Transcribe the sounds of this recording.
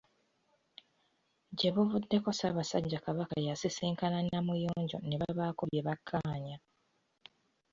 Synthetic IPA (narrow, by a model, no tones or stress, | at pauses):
ɟe̞βuvudːe̞ko̞saβasaɟːakaβaka̰jasisiːŋkananamujoːɲɟo̞̰ne̞βaβaːkuβje̞βakʰːaːɲa